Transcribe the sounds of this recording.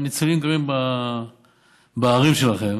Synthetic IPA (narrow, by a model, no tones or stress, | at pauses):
nit͡salimkaʁimba | baːʁimʃelaχem